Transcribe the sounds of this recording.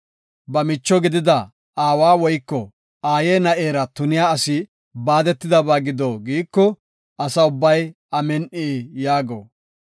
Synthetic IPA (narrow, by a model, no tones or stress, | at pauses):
bɐmɪt͡ʃːɔɡɪd̪ɪd̪ɐ | aːwaːwɔjkːɔ | aːjeːnɐʔe̞ːɾɐt̪ʊnɪjaːɐsɪ | baːd̪ɛt̪ːɪd̪ɐbaːɡɪd̪oːɡiːkːɔ | ɐsɐʊbːɐj | ɐmɛnʔeːjaːɡo̰ː